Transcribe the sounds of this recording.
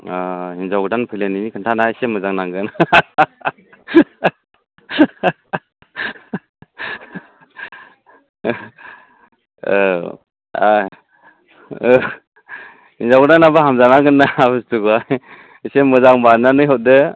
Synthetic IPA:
ahinzawɡɯdanpʰɯjleninikʰɯntʰanaisemɯzaŋnaŋɡɯn | a | hinzawɡɯdanːabaɦamzanaŋɡɯnːabɯstuɡa | isemɯzaŋbananɯjɦɔt̚dɯ

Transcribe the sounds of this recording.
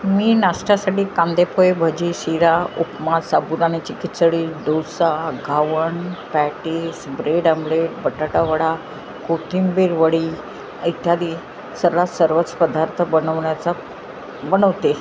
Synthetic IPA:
miːnasʈasaʈiːkãnd̪epojebʱəd͡ʑiːɕiɾaupmasabud̪anet͡ɕikit̪səɭiːd̪osaɡʱaʋəɳpæʈisbɾeɖəmbɭeʈ̚bəʈaʈaʋəɽa | kot̪ʰimbiɾʋəɽiː | it̪jad̪i | səɾɭasəɾʋət͡sːə̥pəd̪aɾt̪ʰəbənəʋɳjat͡sa | bənəʋt̪e

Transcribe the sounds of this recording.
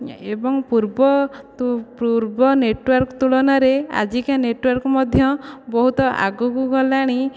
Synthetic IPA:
ebɔŋpuɾbɔt̪puɾbɔneʈwɔɾkɔt̪uɭɔnaɾea̰d͡ʒikaneʈwɔɾkɔmɔd̪ʱjɔbɔɦut̪ɔʔa̰ɡukuɡɔlaɽ̃i

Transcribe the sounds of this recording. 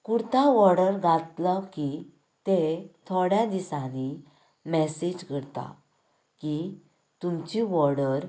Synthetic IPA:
kuɽt̪aʋɔɾɽəɾɡʱat̪ləki | t̪et̪ʰoɽjad̪isãni | mɛsed͡ʑkəɾt̪a̰ | ki | t̪umt͡ɕiʋɔɾɽəɾ

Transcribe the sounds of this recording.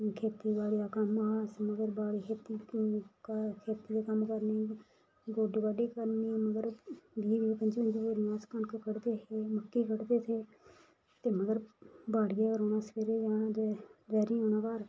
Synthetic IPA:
kʰeːt̪iːbaːɽiːaːkəmaːsməɡəɾbaːɽiːkʰeːt̪iː | kʰeːt̪iːd̪eːkəmkəɾni | ɡoːɖiːbaːɖiːkəɾniːməɡəɾbiːʋipəɲd͡ʒpəɲd͡ʒɾiãːskənkkəɽd̪eːeːməkːiːkəɽd̪eːt̪ʰeː | t̪eːməɡəɾbaːɽiːekəɾoːnaːsə̥peɾeːd͡ʒaːɽaːd̪ɛʋɛːɾĩɦoːnaːkaːɾ

